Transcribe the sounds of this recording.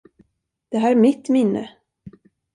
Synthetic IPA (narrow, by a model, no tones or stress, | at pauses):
d̪̥ɛɦæːɾmɪt̪mɪnːʔə̰